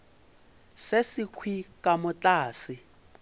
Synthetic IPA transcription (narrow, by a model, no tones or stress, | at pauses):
sesikʰwikʼamʊt͡ɬaːsɪ